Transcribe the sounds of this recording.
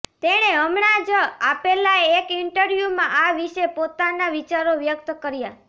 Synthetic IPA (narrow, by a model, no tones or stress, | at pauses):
t̪eɽ̃eəmɳad͡ʒəapelaeːkɪɳʈəɾʋjumãʔaʋiʃepot̪anaʋit͡ʃaɾoʋjəkt̪kəɾja